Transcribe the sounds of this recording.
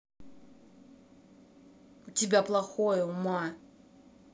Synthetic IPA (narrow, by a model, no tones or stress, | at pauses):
tʲɪbʲaplˠɐxojʊma